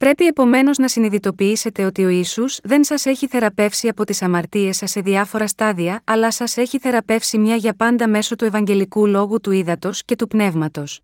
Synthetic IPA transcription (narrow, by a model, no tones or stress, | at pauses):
pɾe̞pie̞po̞me̞no̞znɐsiniðit̪o̞piise̞t̪e̞o̞t̪io̞isuz̥ðe̞nsɐse̞çiθe̞ɾɐpe̞fsiɐpo̞t̪isɐmɐɾt̪ie̞sɐsːe̞ðiɐfo̞ɾɐst̪ɐðiɐɐlɐsɐse̞çiθe̞ɾɐpe̞fsimɲɐʝɐpɐnd̪ɐme̞so̞t̪ue̞vɐɲɟe̞likulo̞ɣut̪uiðɐt̪o̞sce̞t̪upne̞vmɐt̪o̞s